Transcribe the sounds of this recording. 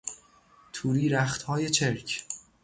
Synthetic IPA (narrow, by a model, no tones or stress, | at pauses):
t̪ʰuːɾiːɾæxt̪hɒːje̞t͡ʃʰeɾcʰ